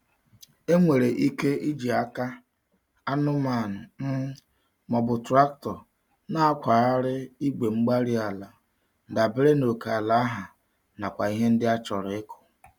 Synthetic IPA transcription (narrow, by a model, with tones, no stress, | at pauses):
e˦ŋʷe˨ɾe˨ʔi˦ke˦i˦d͡ʒi˨a˦ka˦ | a˦nʊ˦ma˨n̩˨m̩˦ | mɔ˨bʊ˨tɾa˦k̚tɔ˨ | na˦a˦kʷa˨ɾa˦ɾɪ˦i˦ɡ͡be˨ŋ͡m̩˦ɡ͡ba˦ɾi˦a˨la˨ | da˨be˦ɾe˦no˨ka˨a˨la˨a˦ɦa˨ | na˨kʷa˨i˦ɦe˦n̩˦dɪ˦a˦t͡ʃɔ˨ɾe˦kʊ̥˨